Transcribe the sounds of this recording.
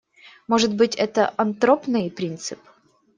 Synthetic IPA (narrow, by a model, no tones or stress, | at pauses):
moʐɨt̪bɨtʲɛt̪əʔɐnt̪ɾopnɨjpɾʲint̪sɨp